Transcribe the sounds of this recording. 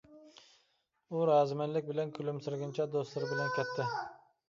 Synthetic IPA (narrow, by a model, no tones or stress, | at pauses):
uɾɑzmænlɪk̚ʲbɪlɛnkʲʰylɪmsɪɾɡʲɪnt͡ʃʰɛd̪ost̪lˠɪɾbɪlɛnkʲʰɛt̪ʰːɪ